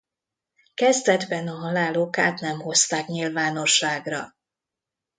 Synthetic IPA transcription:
kɛzd̪ɛd̪bɛnɒɦɒlaːloːkaːt̪nɛmho̞st̪aːkɲilvaːno̞ʃːaːɡrɒ̰

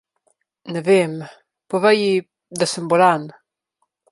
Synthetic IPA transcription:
nɛvem | pɔvəji | d̪asəmbɔlan

